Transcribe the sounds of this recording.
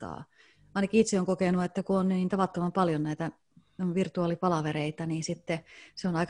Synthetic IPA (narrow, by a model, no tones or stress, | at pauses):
ɑ̰ː | ɑˑinɑkiit̪seoŋkokenuet̪ːækuonnyniːt̪ɑʋɑt̪ːomɑmpɑljonnæit̪æ | ʋirt̪uɑːlipɑlɑʋeɾeit̪ɑniːnsit̪ːeseonɑik